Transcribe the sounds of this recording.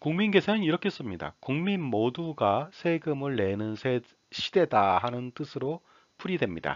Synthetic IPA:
kuŋminɡe̞sʰenɯniɾʌkʰe̞s͈ɯmɲida̰kuŋminmoduɡasʰe̞ɡɯmɯɭːe̞nɯnsʰe | ɕʰid̥e̞daɦanɯnt͈ɯsʰɯɾo | pʰuɾidwe̞mɲida̰

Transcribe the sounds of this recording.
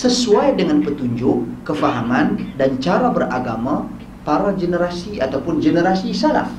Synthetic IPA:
səsuajdəŋanpət̪uɲd͡ʒʊkːəfaɦamandant͡ʃaɾabərʔaɡama | paɾad͡ʒənəɾasiat̪awpʊnd͡ʒənəɾasisala̰f

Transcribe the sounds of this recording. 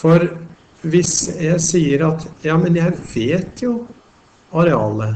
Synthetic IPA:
fɔɾ | ʋɪsjæɪsiːəɾɑt̪jɑːmənjæɪʋeːt̪ʰjʊ | ɑɾɛɑːlə

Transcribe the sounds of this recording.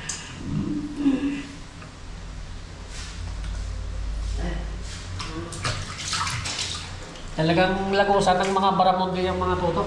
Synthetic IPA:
t̪ɐlaɡaŋlakusat̪aŋmɐŋabaɾamond̪ijaŋmɐŋat̪ut̪o

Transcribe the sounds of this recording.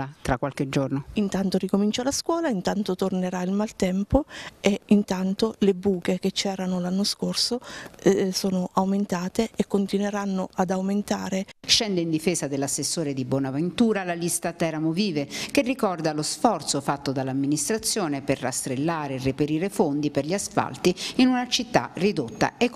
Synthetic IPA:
at̪ɾakːwalked͡ʒornoint̪ant̪orikomint͡ʃalaskwɔːlaint̪ant̪ot̪orneɾailmalt̪ɛmpoeint̪ant̪olebuːkek̟et͡ʃːɛːɾanolanːoskorso | soːnoʔawment̪aːt̪eekːont̪inweɾanːoʔad̪awment̪aːɾeʃɛnd̪eind̪ifɛːsad̪elasːesːoːɾed̪ibwɔːnavent̪uːɾalalist̪at̪ɛɾamoviːvek̟erːikɔrd̪alosfɔrt̪sofat̪ːod̪alːamːinist̪ɾat̪sːjoːneperːa̰st̪ɾelːaːɾeːrːepeɾiːɾefond̪iperʎiasfa̰lt̪iinunat͡ʃit̪ːa̰rid̪ot̪ːa̰ek

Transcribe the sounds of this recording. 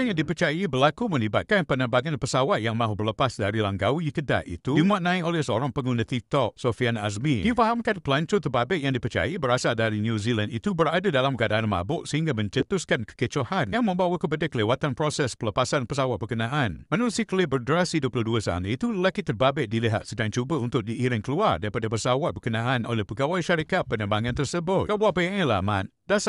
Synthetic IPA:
aŋjaŋdipərt͡ʃajabərlakumə̃nibat̪̚kanpənabaɡanpəsawat̪̚jaŋmaɦubərləpasdaɾilaŋɡawikəda̰ʔḭt̪ujumat̪̚nãiʔolɛsəoɾaŋpəŋɡunət̪it̪ɔk̚sofiana̰s̬mijufaɦamkanpəlant͡ʃot̪əbabɛʔjaŋdipərt͡ʃa̰jabəɾasadaɾinjuzilandit̪ubəɾadadalamɡadaʔanma̰bʊʔsəhiŋɡamə̃ɲd͡ʒət̪ʊskankə̥kət͡ʃohanjaŋməmbawwəkəbədɪkːəlewat̪anpɾosɛspələpasanpəsawat̪̚bəkənaʔanmənulsiklibərdɾasiduəpəluduəsa̰nəit̪uləkitt̪ːərbabɛʔ̚diliɦa̰t̪̚sədaŋt͡ʃubəunt̪ʊk̚diʔiɾɪŋkəluardaɾipadəpəsawat̪̚bəkənaʔano̰lɛhpəɡawaiʃaɾikat̪̚pənəmbaŋant̪ərsəbʊt̪̚kabaʔpəjaŋəlama̰t̪̚das

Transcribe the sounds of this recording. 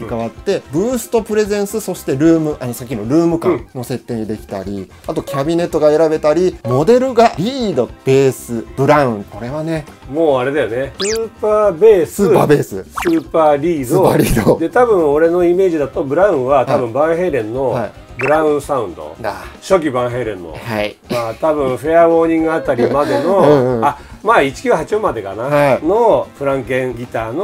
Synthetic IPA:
kaβat̪ːe̞bɯ̟ːsɨ̥t̪o̞pɯ̟ɾe̞zẽ̞ɰ̃sɨso̞ɕi̥t̪e̞ɾɯːmɯ̟ʔaɲisakʲːinoɾɯ̟ːmɯ̟kãno̞se̞t̪ːe̞ːɲ̟id̪e̞kʲi̥t̪a̰ɾʲḭ | at̪o̞kʲabʲine̞t̪ːo̞ɡae̞ɾabe̞t̪aɾʲimo̞d̪e̞ɾɯ̟ɡaɾʲiːd̪o̞b̥e̞ːsɨb̥ɯ̟ɾaɯ̟̃ɴko̞ɾe̞βane̞moːaɾe̞d̪ajonesɨːpaːbeːsɨːɨpa̰ːbe̞ːsɨ̰sɨːpaːɾʲiːd̪oaɾʲiːd̪od̪e̞t̪abɯ̟̃ɰ̃o̞ɾe̞no̞ime̞ːd͡ʑid̪at̪o̞bɯ̟ɾãɯ̟̃ɰ̃βat̪abɯ̟̃mbãɰ̃ɦe̞ɾẽ̞nːo̞a | bɯ̟ɾãɯ̟̃saɯ̟̃nd̪o̰aɕo̞kʲibãɰ̃ɦe̞ːɾẽ̞nːo̰haimaːt̪abɯ̟̃ɰ̃ɸeaβo̞ːɲ̟ĩŋɡɯ̟at̪ːaɾʲimad̪e̞no̞amaːit͡ɕi̥kʲɨːɦat͡ɕiõmad̪e̞kanaano̞ɸɯ̟ɾãŋkẽ̞ŋɡʲit̪aːno

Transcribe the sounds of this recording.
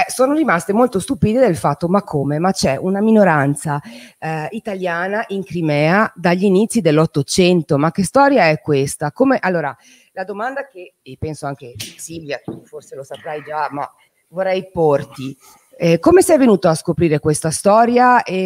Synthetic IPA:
ɛsoːnoɾimast̪emolt̪ost̪upiːd̪ed̪elfat̪ːomakʰːoːmemat͡ʃɛʔunaminoɾant̪sa | it̪aljaːnaʔiŋkɾimɛːad̪aʎːinit̪sːid̪elːɔt̪ːot͡ʃɛnt̪omakːest̪ɔːɾjaɛkːwest̪akomeʔalːoːɾa | lad̪omand̪ake | ipɛnsoaŋk̟esilvjat̪uforselosapɾajd͡ʒama̰ | vorːɛjport̪i | ɛkomesɛjvenuːt̪oaskopɾiːɾekwest̪ast̪ɔːɾjae

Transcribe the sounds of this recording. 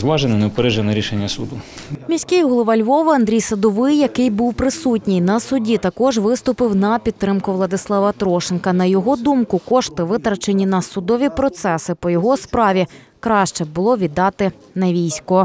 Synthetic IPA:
zʋɑʒenɪnɛpeɾɛʒenɐɾʲiʃenʲːɐsud̪umʲisʲkʲɪjɦɔlˠɔʋɐlʲʋɔʋɪɐnd̪ʲɾʲijsɐd̪ɔʋɪjːɐkɪjbuwpɾɪsutʲnʲɪjnɐsʊdʲit̪ɐkɔʒʋɪst̪ʊpɪwnɐpʲid̪t̪t̪ːɾɪmkʊʋlˠɐd̪ɪslˠɑʋɐt̪ɾɔʃɪnkɐnɐjɔɦɔd̪umkʊkɔʃt̪ɪʋɪt̪ɾɐt͡ʃenʲːinɐsʊd̪ɔʋʲipɾɔt̪sɛsɪpɔjɔɦɔspɾɑʋʲi | kɾɑʃt͡ʃɛbʊlˠɔʋʲid̪ɑt̪ɪ | nɐʋʲijsʲkɔ

